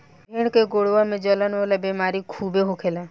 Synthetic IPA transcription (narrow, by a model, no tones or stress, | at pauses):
eːɽ̃keɡoɽʋamẽd͡ʒələnolabemaːɾikʰuːbeɦokʰela